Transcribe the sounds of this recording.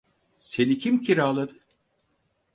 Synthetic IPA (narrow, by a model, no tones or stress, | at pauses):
se̞nicʰimcʰiɾaːlˠad̪ɯ